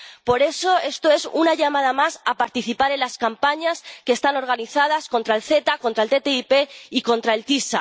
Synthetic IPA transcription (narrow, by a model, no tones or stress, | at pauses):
po̞ɾe̞so̞e̞st̪o̞e̞sunaʝamað̞amasapaɾt̪iθipaɾe̞nlaskampaɲaskest̪ano̞ɾɣ̞aniθað̞asko̞nt̪ɾaelθe̞t̪ako̞nt̪ɾaelt̪e̞t̪eipe̞iko̞nt̪ɾae̞lt̪isa